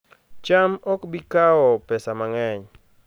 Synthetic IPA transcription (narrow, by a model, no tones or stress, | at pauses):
t͡ʃamɔkbikawɔpɛsamaŋɛɲ